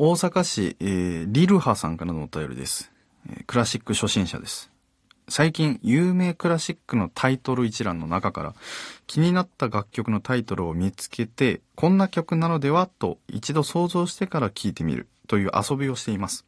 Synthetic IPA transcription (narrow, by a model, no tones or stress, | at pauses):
o̞ːsakaɕḭeːɾʲiɾɯ̟hasã̰ŋkaɾanoːt̪ajo̞̰ɾʲḭd̪e̞sɨ̥̰ | kɯ̟ɾaɕikːɯ̟ɕo̞ɕĩɰ̃ɕa̰d̪e̞sɨ̥ | saikʲĩɰ̃jɯːme̞ːkɯ̟ɾaɕikːɯ̟no̞t̪ʰait̪o̞ɾɯ̟it͡ɕiɾãnːo̞̰nakaka̰ɾa̰kʲʰiɲ̟inat̪ːaɡakʲːo̞kɯ̟no̞t̪ait̪o̞ɾɯ̟omʲit͡sɨ̥ke̞t̪e̞kʰõ̞nːakʲo̞kɯ̟nano̞d̪e̞βat̪o̞̰ḭt͡ɕid̪o̞so̞ːzo̞ːɕi̥t̪e̞kaɾakʲʰiːt̪e̞mʲḭɾɯ̟̰t̪o̞jɯ̟ːʔa̰so̞bʲio̞ɕi̥t̪e̞imasɨ̥